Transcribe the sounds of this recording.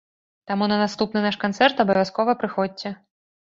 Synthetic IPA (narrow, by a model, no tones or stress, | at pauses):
t̪amunɐnast̪upnɨnaʂkant̪sɛrt̪ɐbɐvʲjaskɔvɨpɾɨxɔɛ